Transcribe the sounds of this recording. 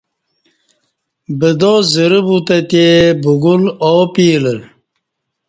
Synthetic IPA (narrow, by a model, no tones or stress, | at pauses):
bəd̪oːzəɾibut̪ɐt̪ebuɡulopiːləl